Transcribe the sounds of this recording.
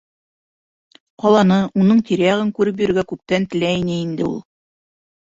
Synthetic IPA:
qɒlˠɑnɤunɤɴt̪ʲiɾæjɑʁɘŋkʉɾɘp̬jɵ̆ɾɘ̆ɾɡækʉp̚t̪ænt̪ɘ̆læinɘind̪ɘṵlˠ

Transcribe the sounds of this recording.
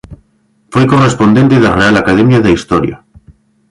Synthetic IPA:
fwojkorespo̞nd̪e̞nt̪eðarealakaðemjaðeist̪oɾja̰

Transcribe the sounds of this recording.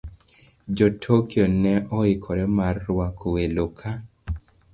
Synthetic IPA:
d͡ʒotʰokjɔnɛʔɔɪkʰɔɾɛmarːwakʰowelokʰa

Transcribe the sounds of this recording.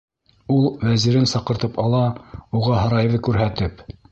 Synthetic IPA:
ulˠvæziɾɘnsɑqɤ̆ɾt̪ɤpɑlˠɑuʁɑɦɑ̆ɾɑjðɤkʉɾɦæt̪ɘp

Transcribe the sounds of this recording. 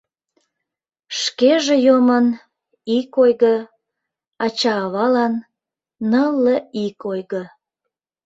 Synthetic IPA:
ʃkeʒejomən | ikojɣə | ɑt͡ɕɑːβɑlɑnː | əlːəikojɣə

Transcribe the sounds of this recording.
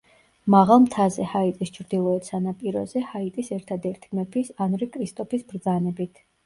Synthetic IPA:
maʁalˠmt̪ʰazɛhait̪ʼist͡ʃʰɾd̪ilˠɔɛt̪sanapʼiɾɔ̰zɛhait̪ʼisɛɾt̪ʰad̪ɛɾt̪ʰimɛpʰisanɾikʼɾist̪ʼɔpʰisbɾd̪zanɛbit̪ʰ

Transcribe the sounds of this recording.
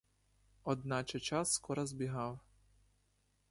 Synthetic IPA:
ɔd̪̚nɑt͡ʃɛt͡ʃɑsːkɔɾɐzbʲiɦɑw

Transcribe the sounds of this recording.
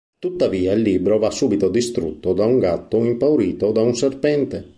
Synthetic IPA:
t̪ut̪ːaviːailːiːbɾovasuːbit̪od̪ist̪ɾṵt̪ːod̪auŋɡat̪ːoimpawɾiːt̪od̪aunserpɛnt̪e

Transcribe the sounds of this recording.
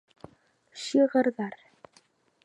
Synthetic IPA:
ʃiːɣaɾðaɾ̥

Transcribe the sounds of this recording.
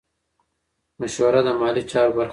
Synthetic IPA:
maʃwɐɾad̪əmɑːlit͡ʃɑːɾobaɾ

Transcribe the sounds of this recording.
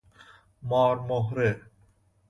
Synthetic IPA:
mɑːɾmoɦɾe

